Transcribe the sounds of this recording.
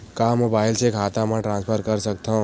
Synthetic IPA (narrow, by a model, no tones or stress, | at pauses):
kaːmoːbaːɪlsekʰaːt̪aməʈɾãːnspʰəɾkɐɾsɐk̚t̪ã